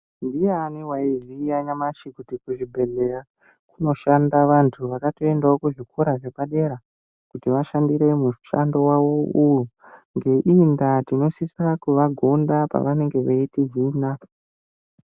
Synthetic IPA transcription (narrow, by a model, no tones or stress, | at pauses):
ndijeːniwaiʐijaɲamaʃikutikuʐibʱe̞ɮe̞ra | kuno̞ʃandaʋantʰuʋakato̞e̞ndaokuʐikʰoɾaʐe̞paɗe̞ɾa | kutiʋaʃandiɾe̞mu̥ʃando̞waʋo̞ujuŋɡe̞ʔindatino̞sisakuʋaɡʱondapa̰ʋane̞ŋɡe̞ʋeitiɦiːna